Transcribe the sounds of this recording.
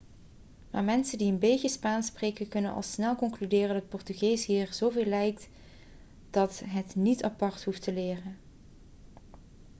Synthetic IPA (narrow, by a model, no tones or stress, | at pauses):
maːɹmɛnsəndiənbejtəspaːnsprejkənkɵnənɑ̰lˠsnɛlˠkɔŋklydɪːrəndɑt̚pɔɹtyɣejsɦiːɹz̥owveːlɛjk̚t | d̥ɑtɦətnitɑpɑɹtɦuftəlɪːrən